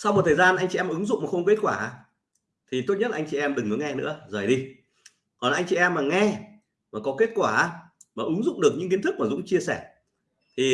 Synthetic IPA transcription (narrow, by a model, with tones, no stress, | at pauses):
sa˧wm̚˨˩t̪ʰːzaː˧nʔa˧jŋt͡ɕi˨ɛ˧m˨ʔɨ˨˦ŋzʊ̰˧˨ŋ͡maː˨˩xə˧wŋ͡mke˦˥t̚kwaː˧˩˨ | t̪ʰi˨˩t̪o˦˥ɲə˥laː˨˧ŋt͡ɕi˨˩ʔɛ˧mɗɨ˨˩ŋkɔ˨˦ŋɛ˧nɨ̰˧˥əzəː˨˩jɗi˧ | kɔ˨nlaː˨ʔa˧ŋt͡ɕi˨ʔɛ˧mːaː˨˩ŋɛ˧ | maː˨˩kɔ˨˦ke˦˥t̚kwaː˧˩maː˨˩ʔɨ˨˦ŋzʊ̰˧˨ŋ͡mɗɨ˨˩ək̚ɲɨ̰˧˥ŋki˨˦ənt̪ʰɨ˦˥k̚ma˨zʊ̰˧˥ŋ͡mt͡ɕi˧əsɛ˧˩ | t̪ʰi˨˩